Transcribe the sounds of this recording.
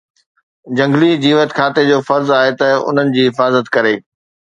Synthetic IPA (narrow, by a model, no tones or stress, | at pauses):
d͡ʑɐ̃ŋɡlid͡ʑiːʋət̪kʰaːt̪ed͡ʑoːfɐɾzaːɦet̪ɐʊ̰n̤ənɪ̆d͡ʑiːɦɪfaːzət̪kɐɾeː